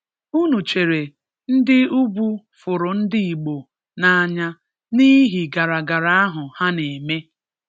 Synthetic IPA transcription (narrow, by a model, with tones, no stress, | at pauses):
u˦nu˨t͡ʃe˨ɾe˨ | n̩˦dɪ˦u˦bu˦ | fʊ˨ɾʊ˨n̩˦dɪ˦i˨ɡ͡bo˨ | na˨a˨ɲa˦ | ni˦ɦi˨ɡa˨ɾa˨ɡa˨ɾa˦a˦ɦʊ˨ha˦ne˨e˨me˦